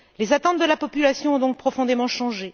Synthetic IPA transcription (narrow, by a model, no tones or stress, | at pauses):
lezat̪ɑ̃t̪̚d̪əlapɔpylasjɔ̃ɔ̃d̪ɔ̃k̚pχɔfɔ̃d̪emɑ̃ʃɑ̃ʒe